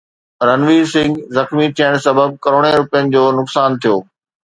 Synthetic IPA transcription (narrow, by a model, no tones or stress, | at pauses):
ɾɐnʋisɪ̃ŋɡzɐxmit̪ʰiəɽ̃sɐbəb̚kɐɾoːɽ̃eɾʊpijənɪ̆d͡ʑoːnʊksaːnt̪ʰijoː